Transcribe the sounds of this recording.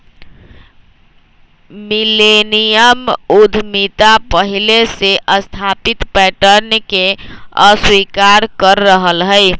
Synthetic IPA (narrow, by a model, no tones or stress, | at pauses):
milenijəmud̪ʱmit̪apəɦileseʔəst̪ʰapit̪pɛʈəɾnkeəswikaɾkəɾːəɦəlɦəɪ